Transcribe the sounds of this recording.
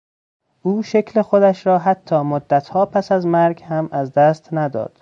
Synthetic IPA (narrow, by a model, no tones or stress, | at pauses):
ʔuːʃe̞cʰle̞xod̪æʃɾɒːɦæt̪ʰːɒːmod̪ːæt̪ʰhɒːpʰæsæzmæɾɡhæmæzd̪æːst̪næd̪ɒ̰ːd̪̥